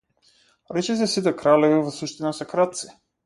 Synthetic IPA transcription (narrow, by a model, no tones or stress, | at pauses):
ɾɛt͡ʃɛs̬ɛsit̪ɛkɾalɛvivɔsuʃt̪inasɛkɾat̪̚t̪si̥